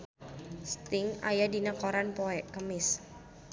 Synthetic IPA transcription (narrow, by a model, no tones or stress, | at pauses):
st̪ɪŋa̰jadinakoɾanpoɛʔkəmɪs